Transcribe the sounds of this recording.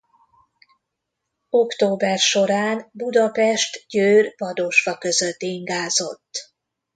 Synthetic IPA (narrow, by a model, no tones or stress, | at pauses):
o̞kt̪oːbɛrʃo̞ɾaːnbud̪ɒpɛʃt̪ɟøːrvɒd̪oːʃfɒkøzøt̪ːiŋɡaːzo̞t̪ː